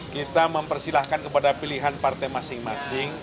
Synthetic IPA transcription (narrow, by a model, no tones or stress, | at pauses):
kit̪aməmpərsilahkankəpadapiliɦanpart̪ajmasɪŋmasɪŋ